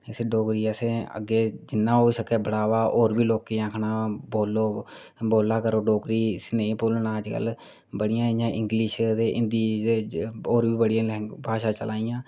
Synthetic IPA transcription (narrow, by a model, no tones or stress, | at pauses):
seːɖoːkɾiːəseːə̰ɡeːd͡ʒɪnːãːɦoːisəkɛːbəɽaːʋaːʔoːɾʋiːloːkeːãːkʰnaːboːlːoː | boːlaːkəɾoːɖoːkɾiːsneːpoːlɳãːd͡ʒkə̰lː | bəɽɪjãːɪjãːʔɪ̃ŋɡliʃd̪eːʔɪnd̪iː | oːɾbiːbəɽɪjãːlɛːbʱaːʃaːt͡ʃəlaːijãː